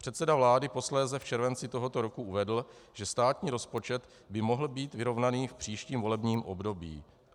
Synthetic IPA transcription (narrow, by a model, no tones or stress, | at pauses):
pr̝̥ɛt̪sɛdavlaːdɪpo̞slɛːzɛft͡ʃɛɾvɛnt͡sɪt̪o̞ɦo̞t̪o̞ɾokuʔuvɛdl̩ʒ̥ɛst̪aːt̪ɲiːɾo̞spo̞t͡ʃɛt̪ | bɪmo̞ɦl̩biːt̪vɪɾo̞vnaniːfpr̝̥iːʃciːmvo̞lɛbɲiːmʔobdo̞bḭː